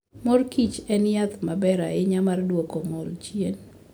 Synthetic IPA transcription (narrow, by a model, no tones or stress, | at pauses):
mɔrkit͡ʃɛnjat̪mabɛɾa̰ɪɲamardwokomɔlt͡ʃjen